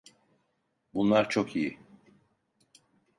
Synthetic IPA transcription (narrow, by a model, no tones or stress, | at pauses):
bunlˠaɾt͡ʃʰo̞kʰijɪ